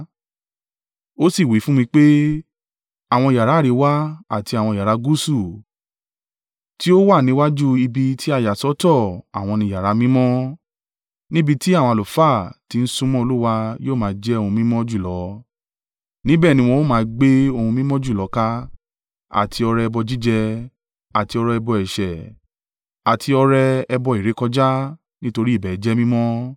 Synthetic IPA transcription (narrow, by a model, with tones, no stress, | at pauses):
o˦si˦˨wi˨˦fũ˦mĩ˧k͡pe˦ | a˦˨w̃ɔ̃˧i˨ja˨ɾa˨˦ɾi˨˦wa˦a˦˨ti˧a˨w̃ɔ̃˧i˨ja˨ɾa˨˦ɡu˦su˦˨ | ti˦o˦wa˦˨nĩ˨˦wa˦d͡ʒu˦i˧bi˧tʰi˦a˦˨ja˨sɔ˨˦tɔ˦˨a̰˨w̃ɔ̃˧nĩ˧ja˨ɾa˨˦mĩ˦mɔ̃˦ | nĩ˦bi˧ti˦a˦˨w̃ɔ̃˧lo˨˦fa˦˨ti˨˦ñ̩˦sũ˦mɔ̃˦o˧lu˦wa˧joː˦˨mãː˨˦d͡ʒɛ˦o˧hũ˧mĩ˦mɔ̃˦d͡ʒu˦˨lɔ˨˦ | nĩ˦bɛ˦˨nĩ˧˦w̃ɔ̃˧wo˦mãː˨˦˧ɡ͡be˦o˧hũ˧mĩ˦mɔ̃˦d͡ʒu˦˨lɔ˨˦ka˧ | a̰˦˨tʰi˧ɔ˧ɾɛ˧ɛ˧bɔ˧d͡ʒi˦d͡ʒɛ˧ | a˨ti˧ɔ˧ɾɛ˧ɛ˧bɔ˧ɛ˨ʃɛ˨ | a˨tʰi˧ɔ˧ɾɛ˧ɛ˧bɔ˧i˨ɾe˨˦kɔ˧d͡ʒa˦ | nĩ˦to˧ɾi˦i˦˨bɛ˨˦d͡ʒɛ˦mĩ˦mɔ̃˦